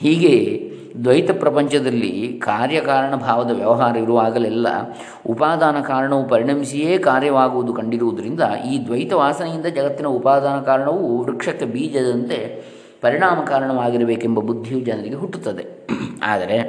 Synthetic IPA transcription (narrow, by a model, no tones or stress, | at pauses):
hiːɡe̞ | d̪ʋɐjt̪ɐpɾɐpɐɲt͡ʃɐd̪ɐlːḭkaːɾjɐkaːɾɐɳɐbʱaːʋɐd̪ɐʋjɐʋɐɦaːɾɐiɾuʋaːɡɐlɛlːɐ̰ | upaːd̪aːnɐkaːɾɐɳɐʋupɐɾiɳɐmisijeːkaːɾjɐʋaːɡuʋud̪ukɐɳɖiɾuʋud̪ɐɾind̪ɐiːd̪ʋɐjt̪ɐʋaːsɐnɐjind̪ɐd͡ʒɐɡɐt̪ːinɐupaːd̪aːnɐkaːɾɐɳɐʋuɾukʂɐkːebiːd͡ʒɐd̪ɐnt̪e̞ | pɐɾiɳaːmɐkaːɾɐɳɐʋaːɡiɾɐbeːkembɐbud̪ʱːijud͡ʒɐnɐɾiɡe̞ɦuʈːut̪ːɐd̪e̞ | a̰ːd̪ɐɾe̞